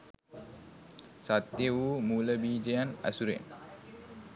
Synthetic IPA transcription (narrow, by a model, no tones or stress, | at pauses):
sat̪ːjeuːmuləbiːd͡ʒejana̰suɾḛn